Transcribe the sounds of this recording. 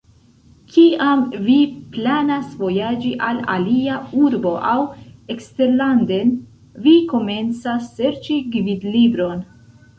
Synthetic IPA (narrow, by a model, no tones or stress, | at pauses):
kʰiamviplanasvo̞jad͡ʒiʔala̰liauɾbo̞ʔawe̞kste̞ɾlande̞n | viko̞me̞nt͡sasːe̞ɾt͡ʃiɡvidlibɾo̞n